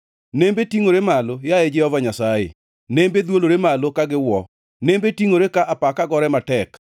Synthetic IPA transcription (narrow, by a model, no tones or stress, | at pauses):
nembetiŋoɾemalojaɛd͡ʒɛhɔvaɲasajḛ | nembed̪woloɾemalokaɡɪwɔ | nembetiŋoɾekaʔapakaɡɔɾɛmatɛk